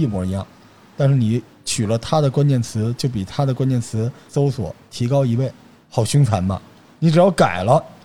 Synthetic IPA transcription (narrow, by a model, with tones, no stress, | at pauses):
i˥˩mwɔ˧˥i˧˥jɑ̰˥˩ŋ | t̪a˥˧nʂɻ̩˥˩ni˧˥ | t͡ɕʰy˨˩lə˦t̪ʰa˥d̪ə˨kwa˥nt͡ɕjɛ˥˩nt͡sʰɹ̩˧˥t͡ɕjo˥˩ʊp̬i˨˩t̪ʰa˥d̪ə˨kwa˥nt͡ɕjɛ˥˩nt͡sʰɹ̩˧˥so˥ʊswɔ̰˨˩˦t̪ʰi˧˥kɑ˥ʊi˧˥we˥˩ɪ | xɑ˨˩ʊɕy˥ŋt͡sʰa˧˥nmɐ̰˧ | ni˧˥ʈ͡ʂɻ̩˨˩jɑ˥˩ʊka˨˩ɪlə˦